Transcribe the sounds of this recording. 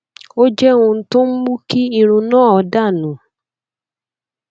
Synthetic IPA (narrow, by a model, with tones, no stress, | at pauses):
o˦d͡ʒɛ˦ũ˧n̩˦tʊ̃˦m̩˦mu˦ki˦i˧ɾ̃ũ˧nãː˦˨ɔ˨˧˦da˦˨nũ˨˦